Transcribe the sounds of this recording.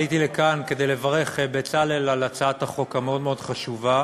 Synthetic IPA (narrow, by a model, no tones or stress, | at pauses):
jit̪ilekanke̞d̪e̞jle̞vaʁe̞χbet͡salelalat͡saataχo̞kameo̞d̪me̞o̞d̥χaʃuva